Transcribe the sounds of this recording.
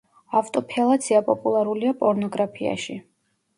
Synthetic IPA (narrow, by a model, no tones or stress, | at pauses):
aft̪ʼɔpʰɛlˠat̪sʰiapʼɔpʼulˠaɾuliapʼɔɾnɔɡɾapʰia̰ʃi